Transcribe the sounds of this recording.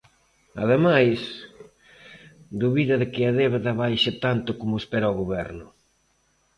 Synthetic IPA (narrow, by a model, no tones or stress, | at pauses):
a̰ðemajs | d̪uβiðɐðɪkɪaðeβðaβajʃat̪ant̪ʊkomʊespeɾaɔɣoβɛ̰ɾnʊ